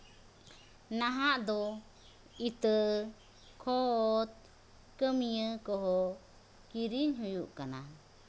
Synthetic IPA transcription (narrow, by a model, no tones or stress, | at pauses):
naɦaʔd̪ɔ | it̪ə | kʰɔt̪̚ | kəmijəkɔɦɔ | kiɾiɲɦujuʔkana̰